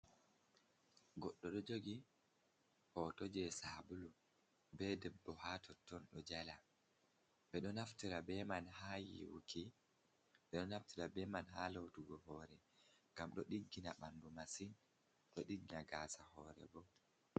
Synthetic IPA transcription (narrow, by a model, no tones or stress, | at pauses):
ɡɔɗːɔɗɔd͡ʒoɡi | hɔtod͡ʒɛsaːbulu | bɛdɛbːɔhatʰɔtːɔnɗɔd͡ʒala | ɓɛɗɔnaftiɾabɛmanhajḭwṵkʰi | ɓɛɗɔnaftiɾabɛmanhalotuɡɔhɔɾɛŋɡamɗɔɗiɡːinaɓandumasin | ɗɔɗiɡinaɡaːsahɔɾɛ̰bɔ